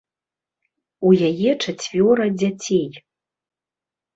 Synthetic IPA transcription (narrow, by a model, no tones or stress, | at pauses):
ujajɛt͡ʂat͡sʲvʲoɾɐd͡zʲat͡sʲʰej